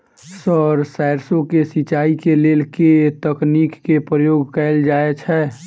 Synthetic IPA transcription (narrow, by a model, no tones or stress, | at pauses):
sɔɾsaɪɾsõkesit͡ʃaːikeleːlket̪əkniːkːepɾəjoːɡkɛːld͡ʒaːet͡ʃʰɛ